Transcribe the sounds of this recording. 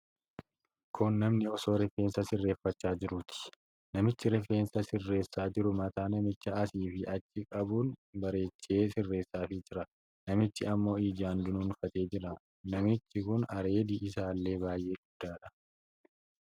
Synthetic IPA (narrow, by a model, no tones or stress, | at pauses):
kʰʊnːɐmnɪɔso̞ːɾɛfeːnsɐsɪrːeːfːɐt͡ʃːaːd͡ʒɪɾʊt̪ʰɪ̥ | nɐmɪt͡ʃːɪɾɛfe̞ːnsɐsɪrːe̞ːsːaːd͡ʒɪɾʊmɐt̪aːnɐmɪt͡ʃːɐɐsiːfɪʔɐt͡ʃːɪkʼɐbuːnbɐɾe̞ːt͡ʃːe̞ːsɪrːe̞ːsːaːfɪd͡ʒɪɾɐ | nɐmɪt͡ʃːɪɐmːo̞ːiːd͡ʒaːnd̪ʊnʊnfɐt̪e̞ːd͡ʒɪɾɐ | nɐmɪt͡ʃːɪkʊnɐɾe̞ːd̪iʔɪsaːlːe̞ːbaːjʔe̞ːɡʊd̪̥ːaːᶑɐ̥